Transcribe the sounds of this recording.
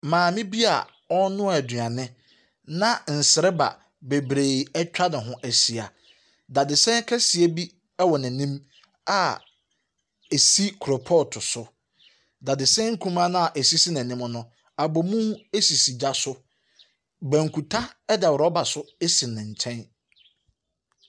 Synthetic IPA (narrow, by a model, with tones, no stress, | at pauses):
mãː˨mɪ̃˦bi˦a̰˨ | ɔ˦nʊ̃˦ɛ˨dɥã˨nɪ̃˦ | nã˦n̩˨sɪ˨ɾɪ˦ba̰˨ | be˨bɾe˨ɛ˦t͡ɕᶣa˦nɪ̃˨ɦʊ̃˦ʔæ˦si˨a˨ | da˨dɪ˨sɛ̃˦kʰɛ˦si˨e˦bi˦ | ɛ˦wɔ˨nɪ̃˨nĩ˦m | a˨ | e˨si˦kʰʊ˨ɾɔ˨pʰɔ˦˨tʰʊ˨sʊ˦ | da˨dɪ˨sɛ̃˦ŋ̩˦kʰũ˦mã˦nʊ̃˦a˨ʔe˨si˦si˦nã˨ñ˦m˦nʊ̃˦ | a˨bɔ˨mũ˦e˦si˨si˨d͡ʑa˦sʊ˦ | bæ̃˨ŋ˨kʰu˨tʰa˦ɛ˦dɛ˨wʊ˨ɾɔ˦ba˨sʊ˦e˦si˨nɪ̃˨ɲ̩˨t͡ɕʰɛ̃˦n